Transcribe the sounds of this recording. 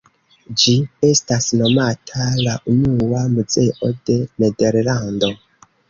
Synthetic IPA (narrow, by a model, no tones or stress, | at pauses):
d͡ʒie̞stasno̞matʰalaʔunuamuze̞ʔo̞de̞nede̞ɾlando̞